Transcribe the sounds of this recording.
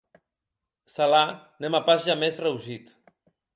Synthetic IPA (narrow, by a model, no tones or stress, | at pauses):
sala | nemapazʒamezrewʒit̪